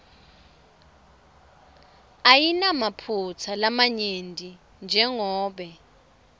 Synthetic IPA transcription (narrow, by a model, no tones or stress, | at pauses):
ajinamapʰut͡sʰalamaɲentʼi | nd͡ʒʱɛŋɔːɓɛ